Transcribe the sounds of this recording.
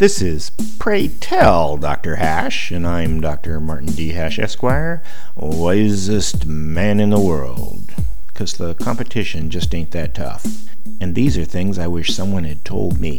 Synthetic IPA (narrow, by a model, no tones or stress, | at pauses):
ðɪsɪz̥ | pʰɹ̥eɪtʰɛlˠdɑ̰k̚tə˞hæ | ʃɨ̃nãɪ̃mdɑk̚tə˞mɑɹʔn̩diɦæʃɛ̰skwaɪə˞ | aɪzɨst | mæ̃nɨ̃nðəwɜ̰˞lˠd̥̚ | kʰʌzðəkʰɑ̃mpɨtʰɪʃɨ̃nd͡ʒʌstẽɪ̃nðɨtʰʌ̰f | ɨ̃nðizə˞θɪ̃ŋzaɪwɪʃsʌ̃mwʌ̃nɨd̚tʰoʊlˠd̚mḭ